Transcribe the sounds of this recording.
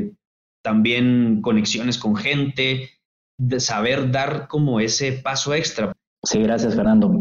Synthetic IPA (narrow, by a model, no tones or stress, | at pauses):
t̪ambje̞ŋko̞ne̞ksjo̞ne̞sko̞ŋxe̞nt̪e̞ | saβ̞e̞ɾðaɾko̞mo̞e̞se̞paso̞e̞kst̪ɾa | siɣɾasjasfeɾnand̪o